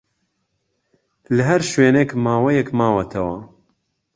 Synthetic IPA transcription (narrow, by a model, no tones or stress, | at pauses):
lɨɦɛɾʃweːnekmaːwɐjɛkmaːwɐt̪ʰɐwɐ